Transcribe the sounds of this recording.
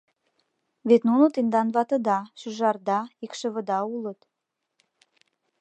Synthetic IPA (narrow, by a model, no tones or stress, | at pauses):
βet̪nunot̪end̪ɑnβɑt̪ə̆d̪ɑʃyʒɑrd̪ɑikʃə̆βə̆d̪ɑulət̪